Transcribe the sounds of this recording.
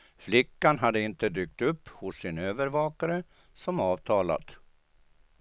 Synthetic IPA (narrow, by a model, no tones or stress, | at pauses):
flɪkːanɦad̪ːəɪnt̪əd̪yːk̚t̪ɵpːhʊsːɪnøːvəɾvɑːkaɾə | sɔmɑːvt̪ʰɑːla̰t̪